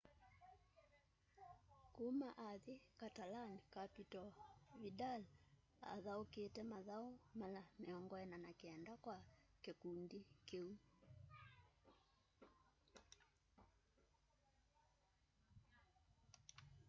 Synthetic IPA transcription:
kumaʔaðikatalankapitɔβidal | a̰ðauketɛmaðaumalamiɔŋɡɔɛnanakiɛndakwakekundikeu

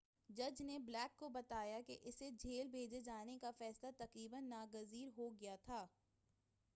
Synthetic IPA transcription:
d͡ʒɐd͡ʒneblɛːkːobɐt̪aːjakḛʔɪsed͡ʒʱeːlbʱeːd͡ʒed͡ʒaːnekafɛːslat̪ɐqɾiːbənːaːɡɐziːɾɦoɡɐjat̪ʰaː

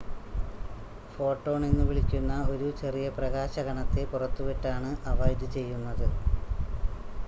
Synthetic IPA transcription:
fo̞ːʈːo̞ːɳe̞nːuʋiɭikʲːunːɐo̞ɾut͡ɕe̞rijɐprɐɣaːɕɐɣɐɳɐt̪ːe̞purɐt̪ːupeʈːaːɳɨʔɐʋɐjd̪ɨt͡ɕe̞jːunːɐðɨ

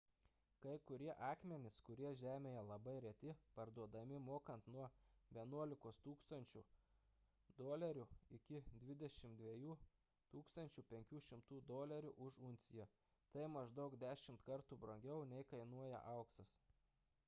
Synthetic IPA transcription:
kɐɪkʊɾʲiɛʔɑːkmʲɛnʲɪskʊɾʲiɛʒʲæːmʲeːjɛlˠɐbɐɪɾʲɛt̪ʲɪpɐɾd̪uɔd̪ɐmʲɪmoːkɐnt̪nuɔʋʲiɛnuɔlʲɪkoːst̪uːkst̪ɐnʲt͡ʃʲʊ | d̪oːlʲɛɾʲʊɪkʲɪd̪ʲʋʲɪd̪ʲɛʃʲɪmd̪ʲʋʲiɛjuː | t̪uːkst̪ɐnʲt͡ʃʲʊpʲɛŋʲkʲuːʃʲɪmt̪uːd̪oːlʲɛɾʲʊʔʊʃʊnʲt̪sʲɪjo | t̪ɐɪmɐʒd̪ɒʊkd̪ʲæːʃʲɪmt̪kɐɾt̪uːbɾoŋʲɡʲɛʊnʲɛɪkɐɪnuɔjɛ̰ʔɐʊksɐs

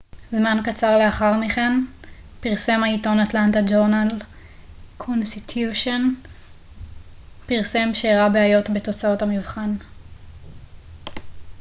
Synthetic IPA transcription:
zmankat͡saʁle̞aχaʁmiχen | piʁse̞maito̞natlantad͡ʒoʁnal | kʰonsit̪ʰjuʃon | piʁse̞mʃeːʁabeajo̞tbe̞to̞t͡sao̞thamivχan

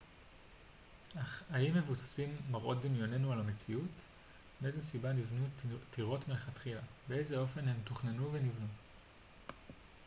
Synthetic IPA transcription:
aaimːe̞vusḁsimːaʁʔo̞t̚d̪imjo̞ne̞nualamet͡siut | beezesibanivnutiʁo̞tmileχatχilabe̞e̞jzeo̞fe̞nhe̞mtuχnenuve̞nivnu

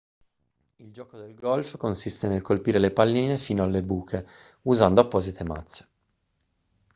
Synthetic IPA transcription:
ild͡ʒɔːkod̪elɡɔlfkonsist̪enelkolpiːɾelepalːiːnefiːnoalːebuːkʰe | uzand̪oapːɔːzit̪ʰema̰t̪sːe̥

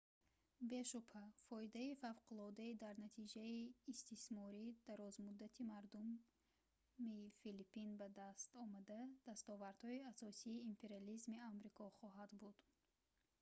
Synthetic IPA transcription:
be̞ʃupʰafɔid̪aifavqʰulɔd̪aid̪aɾnat̪ʰid͡ʒaiːst̪ismɔɾid̪̥aɾɔzmud̪ːat̪ʰimaɾd̪um | ifilipːinbad̪ast̪ɔmad̪ad̪̥ast̪ɔvaɾd̪̥hɔiasɔsiːmpʰe̞ɾializmiamɾikʰɔχɔɦad̪bud̪̥

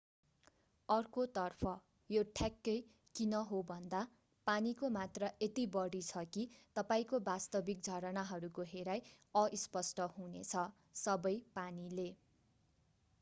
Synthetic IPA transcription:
ʌrkot̪ʌrpʰʌ | joʈʰakːʌj | kinʌɦobʱʌnd̪a | panikomat̪rʌʔet̪ibʌɽit͡sʰʌkit̪ʌpaĩkobast̪ʌbik̚d͡zʱʌɾʌnaɦʌɾukoɦeɾaj | ʌʔispʌsʈʌɦunḛt͡sʰʌ | sʌbʌjpanile

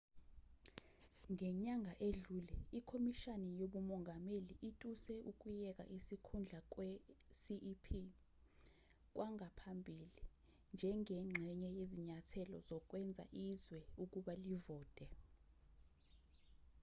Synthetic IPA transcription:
ŋɛɲaŋʱaʔeɮulɛikʰomiʃanɛjoɓumɔŋʱameliʔitʼusɛʔuk̬ʼujɛk̬a̰ʔisikʰund͡ɮʱak̬ʼwɛsiʔpʰi | k̬wʔaŋʱapʰambʱili | nd͡ʒʱɛŋɛŋ͡ǁʱɛɲɛjeziɲatʰɛlɔ̰zɔk̬wɛnd͡zʱa̰ʔizwɛuk̬uɓalivɔːtʼɛ

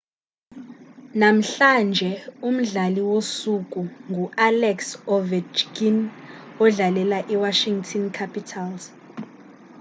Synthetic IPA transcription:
nam̩ɬand͡ʒʱɛum̩ɮaliwosuk̬ʼuŋʱuʔalɛksɔvɛt͡ʃɡinɔɮalɛlaʔiwaʃiŋtʰɔnkʰapitʰalz̥

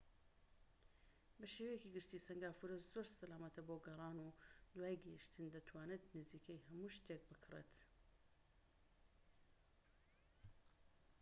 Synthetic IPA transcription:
bɐʃewejeciɡɨʃt̪iːsɐŋɡaːfuɾɐzoɾsɐlaːmɐt̪ʰɐboɡɐrˤɑːnuːd̪waːjɡɐiʃt̪ʰɨnd̪ɐt̪ʰwaːnɨt̪nɨziːkɐjhɐmuːʃt̪ek̚bɨkʰɨrḛt̪

